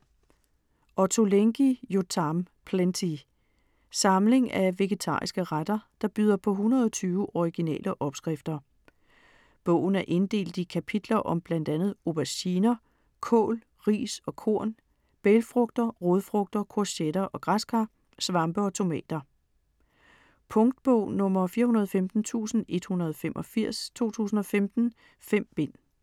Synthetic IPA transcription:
ʔɒt͡sʰo̝leŋɡ̥ijot͡sʰɑ̈m | pʰlent͡sʰi | sɑ̈mle̝ŋæʋe̝ɡ̥e̝t͡sʰɑ̰̈ːisɡ̥əʁad̥ɐd̥ɑ̈b̥yð̞ˠɐpʰɒ̽ɦunʁɐðˠɒt͡sʰyːʊʔɒʁiɡ̥inɛ̰ːlʔəʔɒ̽b̥sɡ̥ʁɛfd̥ɐ | b̥ɔ̰ʊ̰n̩æɐʔe̝nd̥e̝̰ːld̥ikʰæpʰid̥lɐʔɒ̽mb̥læn̰d̥ænð̞̩ˠo̝b̥æɕiːnɐ | kʰɔ̰̽ːl | ʁḭːsɒ̽kʰo̝ɐ̰n | b̥elfʁɔ̽ɡ̥̚d̥ɐʁoðˠfʁɔ̽ɡ̥̚d̥ɐkʰoɐsed̥ɐʔɒ̽ɡ̥ʁɑsɡ̥æ | sʋɑ̈mb̥əɒ̽t͡sʰo̝mɛ̰ːd̥ɐ | pʰɔ̽ŋd̥̚b̥ɔʊ̰nɔ̽mɐfiːɐhunɐð̞ˠɒfemd̥n̩t͡sʰṵːsn̩e̝d̥hunɐð̞ˠɒ̽femʔɒfiɐ̰st͡sʰo̝̰ːt͡sʰṵːs̬n̩ɒ̽femd̥n̩ | fem̰b̥e̝n̰

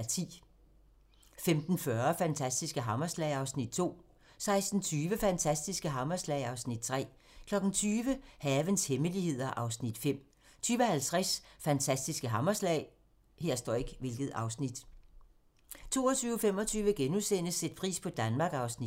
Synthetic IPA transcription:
t͡sʰḭː | femd̥n̩fɶɐfænt͡sʰæsd̥isɡ̥əɦɑ̈mɐslɛ̰ɪɑ̈ʊsnid̥̚t͡sʰo̝̰ː | sɑ̈ɪsd̥n̩t͡sʰyːʋəfænt͡sʰæsd̥isɡ̥əɦɑ̈mɐslɛɪɑ̈ʊsnid̥̚t͡sʰʁɛ̰ː | kʰlɒ̽ɡ̥n̩t͡sʰyːʋəhɛːʋənsheməlihe̝ð̞̰ˠɐʔɑ̈ʊsnid̥fem̰ | t͡sʰyːʋəhælt͡sʰʁasfænt͡sʰæsd̥isɡ̥əɦɑ̈mɐslɛ̰ɪ | heɐ̰sd̥ɒ̰eɡ̥ʋe̝lɡ̥ð̩ˠɑ̈ʊsnid̥ | t͡sʰo̝̰ːɒt͡sʰyːʊfem̰ɒ̽t͡sʰyːʋəɡ̥enusen̰əsːed̥̚pʰʁḭːspʰɒ̽d̥ænmɑ̈ːɡ̥ɑ̈ʊsni̥

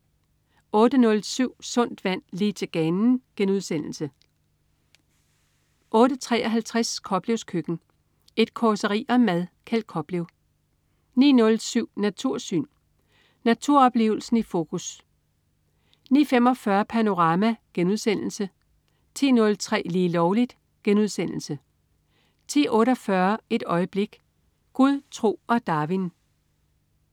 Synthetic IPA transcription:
ɔ̽ːd̥ənɔ̽lsyʊ̰sɔ̽n̰d̥ʋæn̰liːt͡sʰe̝ɡ̥ɛnn̩ɡ̥enuðˠsen̰l̩sə | ʔɔ̽ːɾət͡sʰʁɛ̰ːɒɦælt͡sʰʁaskʰɒ̽b̥le̝ʊskʰøɡ̥n̩ | e̝d̥̚kʰɒsəʁḭːʔɒ̽mæðˠkʰæld̥̚kʰɒ̽b̥leʊ | nḭːnɔ̽lsyʊ̰næt͡sʰuɐ̰sy̰ːn | næt͡sʰuɐ̰ɒ̽b̥le̝̰ːʊl̩sn̩ifo̝ːkʰus | nḭːfem̰ɒ̽fɶɐpʰæno̝ʁɑ̈mæɡ̥enuð̞ˠsen̰l̩sə | t͡sʰḭːnɔ̽lt͡sʰʁɛ̰ːliːlɒʊlid̥ | ɡ̥enuð̞ˠsen̰l̩sə | t͡sʰḭːʔɔ̽ːɾɒ̽fɶɐe̝d̥ɒ̽ɪəb̥le̝ɡ̥ | ɡ̥uðˠt͡sʰʁo̝̰ːɒ̽d̥ɑ̈ːʋin

